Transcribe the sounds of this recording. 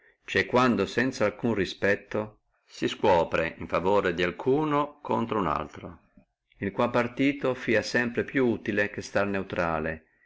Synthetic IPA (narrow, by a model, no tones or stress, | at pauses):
t͡ʃɛkːwand̪osɛnt̪salkunrispɛt̪ːo | siskwɔːpɾeʔiɱfavoːɾed̪ialkʰuːnokʰont̪ɾouna̰lt̪ɾo | ilkwapːart̪iːt̪ofiːasɛmpɾepjuuːt̪ilekest̪arneut̪ɾaːle